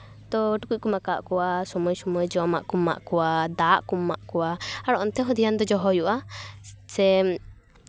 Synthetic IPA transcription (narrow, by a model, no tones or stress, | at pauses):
t̪ɔʈukuc̚kumakaʔkuwasɔmɔjsɔmɔjd͡ʒɔma̰ʔkuma̰ʔkuwad̪aʔkumːa̰ʔkuwaaɾɔʔɔnt̪ɛɦɔd̪ijand̪ɔd͡ʒɔɦɔjuʔa | sɛ